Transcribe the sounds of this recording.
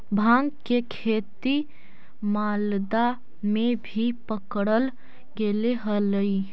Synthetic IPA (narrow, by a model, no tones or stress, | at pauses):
bʱãːŋɡkekʰeːt̪i | maːld̪a | mẽbʱipəkɽəl | ɡeleɦələi